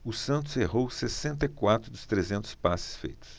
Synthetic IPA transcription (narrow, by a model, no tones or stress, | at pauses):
ʊsɐ̃nt̪̬ʊzeɦowsesẽnt̪ɐikwat̪ɾʊd̪ʊst̪ɾezẽnt̪ʊ̥spasɪ̥sfejt̪ʊ̥s